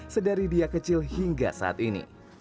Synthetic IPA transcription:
sədaɾidiakət͡ʃɪlhiŋɡa̰sa̰a̰t̪inḭ

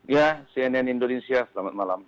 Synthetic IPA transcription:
jasiɛnɛnindonesiaslamat̪̚malam

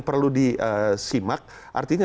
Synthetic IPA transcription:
ŋpərludiəsimak̚ | ʔa̰rt̪iɲa

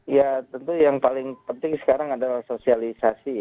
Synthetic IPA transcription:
jat̪ənt̪ujaŋpalɪŋpənt̪ɪŋsə̥kaɾaŋadalahsosialisasija

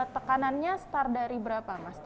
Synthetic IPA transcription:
t̪əkananɲasə̥t̪ardaɾibəɾapamast̪

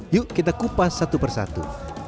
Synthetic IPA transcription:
juʔkit̪akupasːat̪upərsa̰t̪ṵ

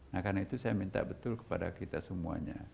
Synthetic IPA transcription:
nahkarnait̪usajamint̪a̰ʔbət̪ʊlkə̥pada̰kit̪asəmua̰ɲa̰

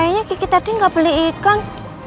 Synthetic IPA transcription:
aɲakikit̪ad̥iŋɡab̥əliːkan

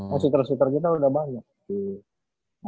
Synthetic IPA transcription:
asut̪ərsut̪ərkit̪audahbaɲak̚i | a

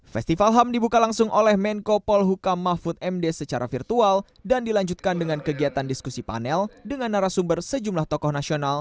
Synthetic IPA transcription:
fɛst̪ifalɦamdibukalaŋsʊŋʔolɛhmɛnkopɔlɦukamːafut̪̚ɛmdɛsət͡ʃaɾʔa̰firt̪ual | dandilaɲd͡ʒut̪̚kandəŋankəɡiat̪andiskusipa̰nɛldəŋanːaɾasumbərsəd͡ʒumlaht̪ɔkɔhnasional

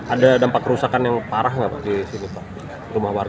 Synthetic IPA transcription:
adadampakːəɾusakanjaŋpaɾaɦŋɡapa̰ʔdisinipaʔ | rumahwarɡa

